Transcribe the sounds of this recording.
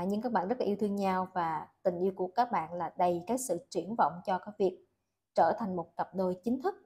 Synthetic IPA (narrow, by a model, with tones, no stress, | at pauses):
ɲɨ˧kaː˦˥k̚ɓa̰ː˧˨nzə˦˥laː˨˧wt̪ʰɨ˧əŋɲa˧wvaː˨˩t̪ï˨˩ŋ̟ʔi˧wku˧˩əkaː˦˥k̚ɓa̰ː˧˨nlaː˨˩ɗə˨˩jkaː˨˦jsɨ̰˧˨t͡ɕwi˧˩ənvɔ̰˧˨wŋ͡mt͡ɕɔ˧kaː˨˦jvi˨˩ək̚ | t͡ɕəː˧˩t̪ʰa˨˩jŋmo˨˩t̚kə˨˩p̚ɗo˧jt͡ɕï˨˦ŋ̟t̪ʰɨ˦˥k̚